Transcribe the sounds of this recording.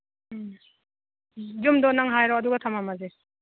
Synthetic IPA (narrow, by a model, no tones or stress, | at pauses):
d͡ʒumdɔnaŋɦajɾɔɐduɡatʰamamaze